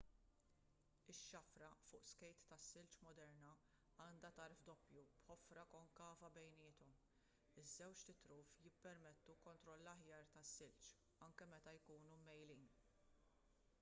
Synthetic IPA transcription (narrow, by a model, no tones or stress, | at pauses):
ɪʃːɐfɾɐfʊːʔskɛjt̪ːɐsːɪlt͡ʃmɔd̪ɛɾnɐ | ɐːnd̪ɐt̪ɐɾfd̪ɔpjubħɔfɾɐkɔŋkɐːvɐbɛjnɪːt̪ɔm | ɪzːɛwt͡ʃt̪ɪt̪ɾuːfjɪpːɛɾmɛt̪ːukɔnt̪ɾɔlːɐħjɐːɾt̪ɐsːɪlt͡ʃ | ɐŋkɛmɛt̪ɐjkuːnumɛjliːn